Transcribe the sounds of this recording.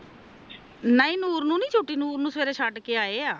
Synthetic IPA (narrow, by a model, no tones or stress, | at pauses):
naːĩːnuːɾnũːnĩːt͡ʃʰoːʈiːnuːɾnũːsəʋeːɾeːʃʰaːʈkeːaːeːaː